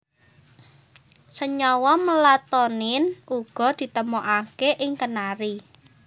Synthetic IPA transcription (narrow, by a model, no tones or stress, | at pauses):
səɲɔwɔməlat̪ɔnɪnuɡ̥ɔ̤d̪̥i̤t̪əmuʔakeʔɪŋkənaɾi